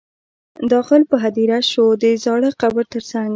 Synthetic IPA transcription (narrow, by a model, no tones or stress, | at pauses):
d̪ɑxɪlpəɦad̪iɾaʃod̪əzɑɽəqabəɾt̪əɾsaŋɡ